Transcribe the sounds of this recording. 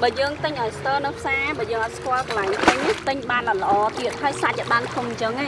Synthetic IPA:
ɓaːjəːŋt̪ɨɲʔaɔjst̪əːnɨwpʰsaːɓaːəjəːŋʔat̪̚skŏəlklaŋt̪ɨɲnit̪ɨɲɓaːnajlə̆ʔɑːt̪iət̪̚ɦaəjsat͡ɕaɗaənk̪ʰumɲt͡ɕəŋaː

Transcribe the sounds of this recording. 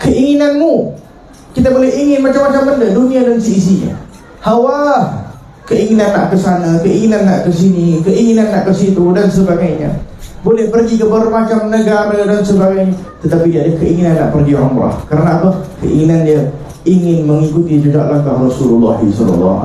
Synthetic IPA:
kəʔiŋinanmu | kit̪abolɛɦiŋɪnmat͡ʃamːat͡ʃambəndəduniadansiːsiɲa̰ | hawa | kəiŋinanːaʔkəsanakəiŋinanːaʔkəs̬inikəʔiŋinanːaʔkəsit̪udansəbaɡajɲa̰bolɛhpərɡikəbaɾumat͡ʃamnəɡaməədansəbaɡajɲat̪ət̪apidiadəkəiŋinanːaʔpərɡiɾɔmɾa̰hkəɾanaːpəhkəʔḭŋinandia | iŋɪnməŋikut̪id͡ʒud͡ʒa̰ʔlaŋk̪ahrɔsululːɑ̰ɦḭsɔ̰lɔ̰lːɑ̰

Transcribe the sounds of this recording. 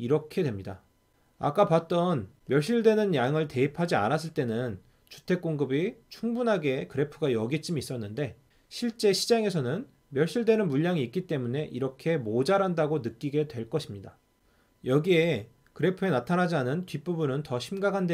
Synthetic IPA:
iɾʌkʰe̞dwe̞mɲida̰ | a̰k͈apat̚t͈ʌnmjʌɭɕ͈iɭdwe̞nɯnjaŋɯɭte̞ipʰad͡ʑia̰nas̬͈ɯɭt͈e̞nɯn | t͡ɕu̥tʰe̞k͈oŋɡɯbit͡ɕʰuŋbunɦaɡe̞kɯɾe̞pʰɯɡajʌɡit͡ɕ͈ʰimiːs͈ʌnːɯnde̞ | ɕʰiɭt͡ɕ͈e̞ɕʰid͡ʑaŋe̞sʰʌnɯn | mjʌɭɕ͈iɭdwe̞nɯnmuʎːaŋiːk͈̚it͈e̞mune̞ʔiɾʌkʰe̞mod͡ʑaɾandaɡonɯk͈iɡe̞dwe̞ɭk͈ʌɕʰimɲida | jʌɡie̞ | kɯɾe̞pʰɯe̞natʰanɦad͡ʑianɯntɥip͈ubunɯntʌɕʰimɡakʰande

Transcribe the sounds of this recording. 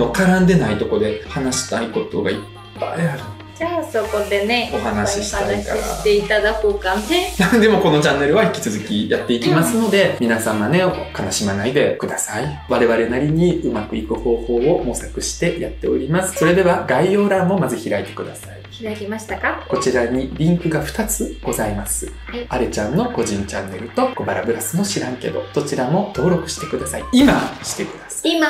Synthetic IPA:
okaɾãnd̪e̞nait̪o̞ko̞d̪e̞hanaɕi̥t̪aiko̞t̪o̞̰ɡaipːa̰iaɾɯ̟n | d͡ʑaːsoko̞d̪e̞neo̞ɦanaɕiɕi̥t̪aka̰ɾa̰t̪eit̪ad̪akoːkanenãnd̪e̞mo̞ko̞no̞t͡ɕãnːe̞ɾɯ̟βai̥kʲi̥t͡sɨzɨkʲijat̪ːe̞ikʲimasɨno̞d̪e̞mʲinasãɰ̃βane̞kanaɕimanaid̪e̞kɯ̟d̪asai | βaɾe̞βaɾe̞naɾʲiɲ̟iɯ̟makɯ̟ikɯ̟ho̞ːho̞ːomo̞sakɯ̟ɕi̥t̪e̞jat̪ːe̞o̞̰ɾʲimasɨ̥so̞ɾe̞d̪e̞βaɡaijo̞ːɾãmːo̞mazɨçiɾait̪e̞̥kɯ̟d̪asai̥ | t̪kako̞t͡ɕiɾaɲ̟iɾʲĩŋkɯ̟ɡaɸɯ̟̥t̪at͡sɨɡ̥o̞zaimasɨ | aɾɯt͡ɕãnːo̞ko̞ʑĩɲ̟t͡ɕanːe̞ɾɯ̟t̪o̞kobaɾabɯ̟ɾasɨmo̞ɕiɾãŋke̞d̪o̞̰so̞t͡ɕiɾamo̞t̪o̞ːɾo̞kɯ̟ɕi̥t̪e̞kɯ̟d̪asaiimaɕi̥t̪ekɯ̟d̪̥asḁma

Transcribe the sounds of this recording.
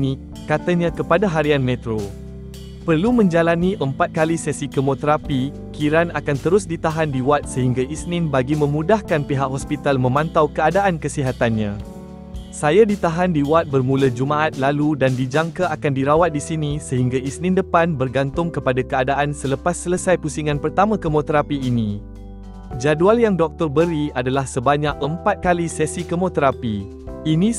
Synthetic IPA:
nĩ | kat̪aɲãkəpadaɦaɾianmɛ̃t̪ɾo | pərlumə̃ɲd͡ʒalanĩʔəmpat̪̚kalisɛsikəmot̪əɾapi | kiɾanakant̪əɾʊsdit̪aɦandiwat̪̚səɦiŋɡaʔisnɪ̃nbaɡimə̃mũdahkanpiɦakɦɔspit̪almə̃mãnt̪awkəadaʔankəsiɦat̪anɲã̰ | sajadit̪aɦandiwat̪̚bərmũləd͡ʒumãat̪̚laludandid͡ʒaŋkaʔakandiɾawat̪̚disinisəɦiŋɡaisnɪ̃ndəpanbərɡant̪ʊŋkəpadakəadaʔansələpasːələsajpusiŋãnpərt̪amãkəmot̪əɾapiːnĩ | d͡ʒadualjaŋdɔk̚t̪ɔrbəɾiadalahsəbaɲak̚əmpat̪̚kalisɛsikəmõt̪əɾapi | inĩ

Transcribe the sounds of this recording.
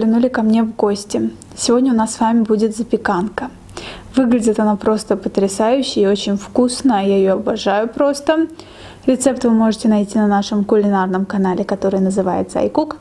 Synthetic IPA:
lʲɪnulʲɪkɐmnʲe̞vɡo̞sʲtʲɪ | sʲɪvo̞dʲnʲəʊnasːvamʲɪbudʲɪt̪zəpʲɪkankə | vɨɡlʲɪdʲɪt̪ɐnapɾo̞st̪əpət̪ɾʲɪsajʉɕːɪɪo̞t͡ɕɪnʲfkusnəjaɪjoɐbɐʐajʊpɾo̞st̪ə | ɾʲɪt̪sɛpt̪vɨmo̞ʐɨtʲɪnɐjtʲinɐnaʂɨmkʊlʲɪnarnəmkɐn̪alʲɪkɐt̪o̞ɾɨjnəzɨva̰jɪt̪səɐ̰jkuk

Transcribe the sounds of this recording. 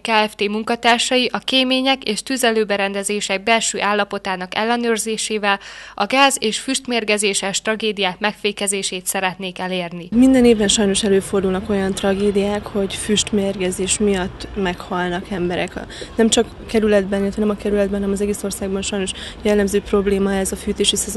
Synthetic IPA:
kaːɛft̪eːmuŋkɒt̪aːrʃɒjiʔɒkeːmeːɲɛkeːʃt̪yzɛløːbɛɾɛnd̪ɛzeːʃɛɡ̚bɛlʃøːʔaːlːɒpo̞t̪aːnɒkɛlːɛnøːrzeːʃeːvɛlɒɡaːzeːʃfyʃt̪meːrɡɛzeːʃɛʃt̪rɒɡeːd̪ijaːkmɛkfeːkɛzeːʃeːt̪sɛɾɛt̪neːkɛleːrnimind̪ɛneːvbɛnʃɒjno̞ʃɛløːfo̞rd̪uːlnɒko̞jɒnt̪rɒɡeːd̪ijaːkho̞ɟfyʃt̪meːrɡɛzeːʃmijɒt̪ːmɛkhɒlnɒkɛmbɛɾɛknɛmt͡ʃɒk | kɛɾylɛd̪bɛnilɛt̪ɛnɛmɒkɛɾylɛd̪bɛnnɛmɒzɛɡeːso̞rsaːɡ̚bɒnʃɒjno̞ʃjɛlːɛmzøːpro̞bleːmɒɛzɒfyːt̪eːʃisɛzo

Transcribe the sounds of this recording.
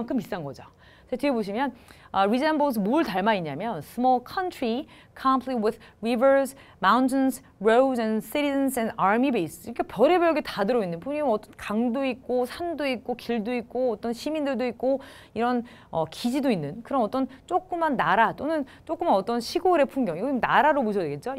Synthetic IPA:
aŋkʰɯmis͈anɡʌd͡ʑo | tʰetʰeɡeboɕ̬ʰimjʌnaɾid͡ʑenbos̬ʰmoɭtaɭmaiɲamjʌnsʰɯmʌlkʰʌntʰɾi | kʰampʰlit̚wɪðɹivə˞s | mawntʰɯns | ɹowdens͈iɾisʌnsʰenaɾmibeisiɾʌkʰepjʌɾe̞bjʌɭɡetadɯɾʌinːɯnpoɲɯʌt͈ʌnkaŋdoik̚k͈osʰandoik̚k͈okiɭdoik̚k͈oʌt͈ʌnɕʰimindɯɭdoik̚k͈o | iɾʌn | ʌkid͡ʑidoinːɯnkɯɾʌmʌt͈ʌnt͡ɕ͈ok͈ɯmanːaɾat͈onɯn | t͡ɕ͈ok͈ɯmanʌt͈ʌnɕʰiɡoɾe̞pʰuŋɡjʌŋiɡʌimnaɾaɾomoɕʰʌdweɡe̞t̚t͡ɕ͈o

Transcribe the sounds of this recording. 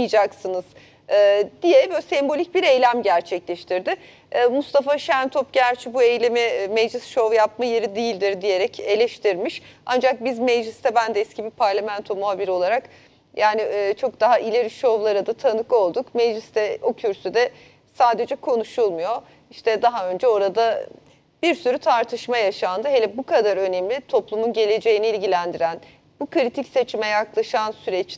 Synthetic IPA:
jd͡ʒaksɯnɯz̥ | ɯːd̪ijɛbøsɛmbo̞lʲic̚biɾejlʲæmɟæɾt͡ʃʰɛclʲɛʃt̪ʰiɾd̪ɪː | must̪ʰafaʃænt̪ʰop̚ɟæɾt͡ʃʰibue̞jlʲemɪmɛd͡ʒlʲisʃo̞vjapmaje̞ɾid̪ijilʲd̪iɾd̪ije̞ɾɛce̞lʲɛʃt̪ʰiɾmiʃa̰nd͡ʒak̚bizmɛd͡ʒlʲist̪ʰɛbænd̪ɛɛskcʰibipʰaɾlʲamænt̪ʰo̞muɦaːbiɾo̞lˠaɾak | jʔaːniːt͡ʃʰo̞k̚d̪aɦaʔilʲe̞ɾiʃo̞vlˠaɾɯd̪at̪ʰanɯko̞lˠd̪ukmed͡ʒlʲist̪ʰɛo̞cʰyɾsyd̪ɛ | saːd̪e̞d͡ʒɛkʰo̞nuʃulˠmujo̞ | iʃt̪ʰɛd̪aɦaø̞nd͡ʒɛo̞ɾad̪a | b̥iɾsyɾyt̪ʰaɾt̪ʰɯʃmajaʃand̪ɯɦelʲɛbukʰad̪aɾø̞nemlʲit̪ʰo̞plˠumunɟelʲe̞d͡ʒe̞jiniilʲɟilʲænd̪iɾæn | bukɯɾit̪ʰicse̞t͡ʃʰimɛjaklˠaʃansyɾɛt͡ʃ

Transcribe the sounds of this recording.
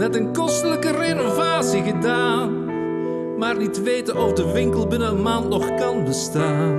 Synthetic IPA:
nɛtənkɔstələkərenovaːtsiɣədaːn | maːrnitʋejtənɔfdəʋɪŋkəlˠbɪnənənmaːntnɔχkɑnbəstaːn

